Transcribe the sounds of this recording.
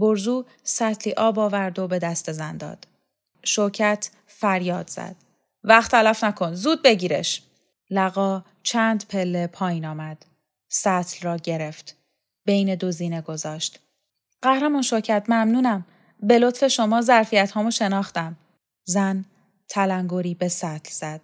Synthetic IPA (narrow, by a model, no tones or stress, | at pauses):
boɾzuː | sæt̪ʰliːʔɒːbɒːvæɾd̪o̞be̞d̪æst̪ezænd̪ɒ̰ːd̪̥ | ʃocʰæt̪ʰ | fæɾjɒːd̪z̥æ̰d̪̥ | væχt̪ʰːælæfnækʰo̞nzuːd̪̚be̞ɟiːɾḛʃ | læɣɒː | t͡ʃʰæːnd̪pʰe̞lːepʰɒːjinɒːmæd̪̥ | sæt̪ʰlrɒːɟe̞ɾe̞ft̪ | b̥e̞jned̪oziːneɡo̞zɒːʃt̪ | ɢ̥æhɾæmɒːnʃocʰæt̪mæmnuːnæm | be̞lo̞t̪fe̞ʃomɒːzæɾfijæt̪hɒːmoʃenɒːχt̪æm | zæn | t̪ʰælæŋɡoɾiːbe̞sæt̪ʰlz̥æd̪̥